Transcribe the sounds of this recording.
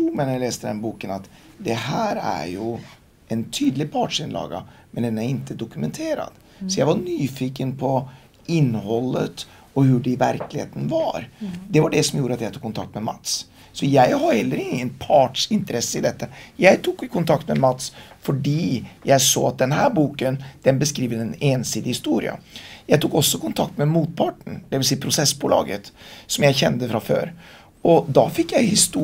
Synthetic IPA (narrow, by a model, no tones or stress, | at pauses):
mɛnjæɪleːst̪əd̪ɛnbuːkənɑt̪d̪ɛhæːɾæ̰ɾjʊ | ɛnt̪ʰyːd̪lɪpʰɑʈʂɪnlɑ̰ːɡa̰mɛnd̪ɛnæɾɪnt̪əd̪ʊkʉmɛnt̪ʰeːɾɑ̰d̪̥ | sɔjæɪʋɑɾnyːfiːkənpʰɔ | ɪnːhɔlːət̪ | ɔɦʉɖɛɪvæɾklɪhḛːt̪ənvɑɾd̪ɛʋɑɖɛsɔmjuːɾəɑt̪jæɪt̪uːkʰːʊnt̪ʰɑ̰k̚t̪mɛmɑ̰t̪s | sɔjæɪhɑɾhɛlːəɾɪŋŋːənpʰɑʈʂɪnt̪əɾɛsːəɪd̪ɛt̪ːəjæɪt̪ʰuːkkʰːʊnt̪ʰɑkt̪mɛmɑt̪sfɔɖiːjæɪso̰ːɑt̪̚d̪ɛnɦæːɾbuːkənd̪̥ɛnbəskɾiːʋəd̪ɛneːnsiːd̪ɪhɪst̪uːɾɪ̰ə̰jæɪt̪uːkɔsːɔkʊnt̪ʰɑk̚t̪mɛmuːt̪̚pʰɑːʈɳ̩d̪ɛʋɪls̬iːəpʰɾʊsɛsːbuːlɑ̰ːɡə̰t̪sɔmjæɪçɛnd̪əfɾɑfø̰ːɾ | ɔd̪ɑfɪkːjæɪhɪst̪u